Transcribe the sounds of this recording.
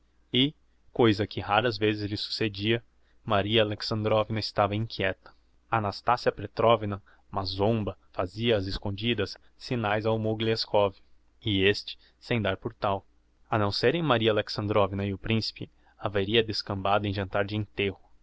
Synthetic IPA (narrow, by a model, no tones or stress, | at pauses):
ɪ | kojzɐkʰɪhaɾɐzvezɪzlɪsu̥sed͡ʒiɐ | maɾiɐaleksɐ̃nd̪ɾɔvinɐɪst̪avɐĩkʰʲjɛt̪ɐ̥ | anast̪asiɐpɾet̪ɾɔvinɐ | mazõmbɐfaziɐːzɪskõd͡ʒid̪ɐsː | inajzawmoɡileskʰɔvɪ | ɪest͡ʃɪ̥ | sẽj̃d̪aɾpʊɾt̪aw | ɐnɐ̃w̃seɾẽj̃maɾiɐaleksɐ̃nd̪ɾɔvinɐɪʊpɾĩsi̥pɪ | aveɾiɐd̪eskɐ̃mbad̪ʊẽj̃ʒɐ̃nt̪aɾd͡ʒɪẽnt̪ehʊ